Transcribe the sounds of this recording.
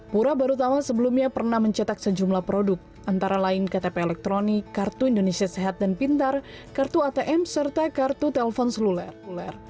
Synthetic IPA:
puɾabaɾut̪amasəbəlumɲapərnahməɲt͡ʃət̪ak̚səd͡ʒumlahpɾodʊk̚ | ʔant̪aɾalaɪnkat̪epeːlɛk̚t̪ɾonikːart̪uindonesiaseɦat̪̚danpint̪ar | kart̪uat̪eʔɛmsərt̪akart̪ut̪ɛlɛfɔnsəlulɛlɛr

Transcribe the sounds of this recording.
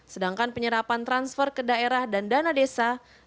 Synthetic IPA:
sədaŋkanpəɲəɾapant̪ɾansfərkədaeɾahdandanadesa

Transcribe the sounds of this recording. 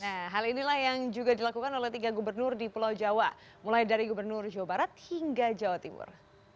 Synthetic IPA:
nahɦalinilahjaŋd͡ʒuɡadilakukanolɛht̪iɡaɡubərnʊrdipəlawd͡ʒawa | mulajdaɾiɡubərnʊrd͡ʒawabaɾat̪̚hiŋɡad͡ʒawat̪imʊ̰r

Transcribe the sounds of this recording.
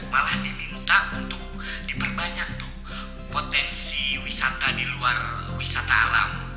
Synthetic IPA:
malahdimint̪aunt̪ʊk̚ | dipərbaɲak̚t̪ʊh | pot̪ɛnsiwisat̪adiluarwisat̪aːla̰m

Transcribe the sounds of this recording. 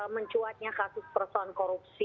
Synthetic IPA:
məɲt͡ʃuat̪̚ɲakasʊspərsɔnkɔɾup̚si

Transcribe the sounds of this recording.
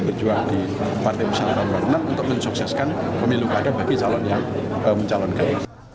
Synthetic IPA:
bərd͡ʒuaŋdi | part̪ajbəsalakamarnamunt̪ʊk̚məɲsuksɛskan | pəmilukadabaɡit͡ʃalɔnjaŋ | əməɲt͡ʃalɔnkan

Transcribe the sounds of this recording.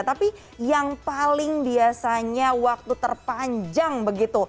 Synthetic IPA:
t̪api | jaŋpalɪŋbiasaɲawak̚t̪ut̪ərpaɲd͡ʒaŋbəɡit̪u

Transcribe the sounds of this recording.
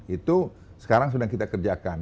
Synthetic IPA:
it̪u | sə̥kaɾaŋs̬udaŋkit̪akərd͡ʒakan

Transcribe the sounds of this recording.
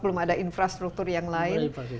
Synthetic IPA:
bəlʊmadainfɾast̪ɾuk̚t̪urjaŋlaɪn

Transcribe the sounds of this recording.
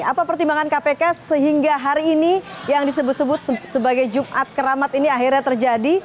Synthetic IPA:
apapərt̪imbaŋankapekasəɦiŋɡaɦaɾiːnijaŋdisəbʊt̪səbʊt̪̚səbaɡajd͡ʒumʔat̪̚kəɾamat̪iniaɦirɲat̪ərd͡ʒadi

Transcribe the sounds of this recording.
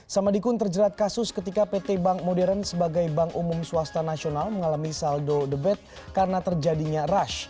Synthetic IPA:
samadikʊnt̪ərd͡ʒəɾat̪̚kasʊskət̪ikapet̪ebaŋmodɛɾansəbaɡajbaŋumumsuast̪anasionalməŋalamisaldodəbɛt̪̚ | kaɾənat̪ərd͡ʒadiɲaraʃ

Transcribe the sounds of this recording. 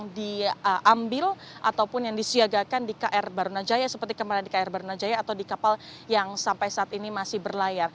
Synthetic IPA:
ŋdiʔambɪl | ʔa̰t̪awpʊnjaŋdisiaɡakandikaʔɛrbaɾunad͡ʒajasəpərt̪ikəmaladikaɛrbaɾunad͡ʒajaːt̪awdikapaljaŋsampajsaʔat̪inimasɪhbərlajar

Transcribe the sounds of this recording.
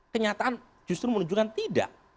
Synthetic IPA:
kəɲat̪aʔan | d͡ʒust̪ɾumənuɲd͡ʒukant̪ida̰ʔ

